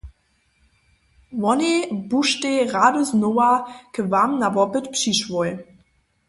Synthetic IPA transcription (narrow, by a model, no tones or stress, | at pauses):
vɔnebuʃteʁadəznowakəvamnavɔpətpʂiʃvoj